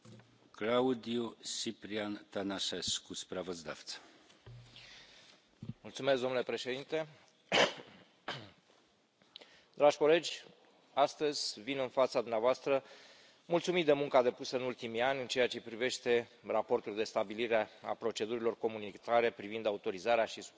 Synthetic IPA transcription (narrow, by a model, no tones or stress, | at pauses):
klaud̪iusipɾiant̪anaʃeskuspɾavəzd̪a̰ft̪sə̥ | mult̪sume̞s̬d̪onle̞pɾe̞ʃe̞d̪int̪e̞ | d̪ɾaʒʲko̞le̞d͡ʒʲ | ast̪əzʲvinɨnfat̪sad̪umneavoast̪ɾə | mult̪sumit̪̚d̪e̞muŋkad̪e̞pusəɨnult̪imianʲɨnt͡ʃe̞at͡ʃe̞pɾive̞ʃt̪e̞rapo̞rt̪uld̪e̞st̪abiliɾeaa̰pɾo̞t͡ʃe̞d̪uɾilo̞rko̞munit̪aɾe̞pɾivind̪aut̪o̞ɾizaɾeaʃis